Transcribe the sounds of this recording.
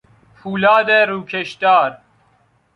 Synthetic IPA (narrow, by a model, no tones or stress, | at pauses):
pʰuːlaːd̪eɾuːkʰeʃt̪aːɾ